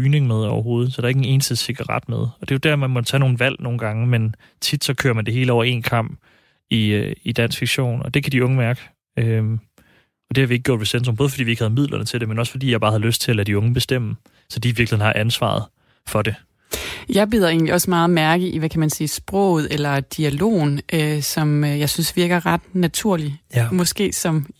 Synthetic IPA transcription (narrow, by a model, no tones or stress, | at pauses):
yːne̝ŋmeð̞ˠɒʊɐɦo̝ːð̞̩ˠsɒd̥ɑ̈ɐeɡne̝ːnəsd̥əse̝ɡ̥ɑʁɑ̈d̥meðˠɒ̽d̥e̝ʊd̥æɐmemɒt͡sʰɛno̝ːn̩ʋæl̰no̝ːn̩ɡ̥ɑ̈ŋəmen | t͡sʰid̥sɒ̽kʰø̰ːɐmænd̥e̝ɦe̝ːləɒʊ̰ɐe̝̰ːnkʰɑ̈m̰b̥ | iid̥æn̰sfiɡ̥ɕo̝̰ːnɒ̽d̥e̝kʰæd̥iɔ̽ŋəmæɐɡ̥ə | ø | ɒ̽d̥e̝hɑ̈ʋie̝ɡ̥̚ɡjɔ̰ːdʋe̝sent͡sʰʁmbɔð̞ˠfɒd̥ḭːʋie̝ɡ̥hæð̞̩ˠmið̰ˠlɐnət͡sʰe̝ld̥emenɒ̽sfɒ̽d̥ḭːjɑ̈ɪ̥ɑ̈ːhæðˠløsd̥̚t͡sʰe̝ælæd̥iɔ̽ŋəb̥e̝sd̥em̰ə | sɒ̽d̥iːʋiɐɡ̥liḛnhɑ̈ʔænsʋɑ̰̈ð̩ˠ | fɒ̽de̝ | jɑ̈ɪb̥iðˠɐe̝̰nliɒ̽smɑ̈ːð̩ˠmæɐɡ̥əʔiʋækʰæmænsiːsb̥ʁɔ̰̽ʊð̞̩ˠelɐd̥iælo̝̰ːn̩ʔøsɒ̽møjɑ̈ɪsynsʋiɐɡ̥ɐʁɑ̈d̥næt͡sʰuɐ̰limɒ̽sɡ̥e̝̰ːsɒ̽m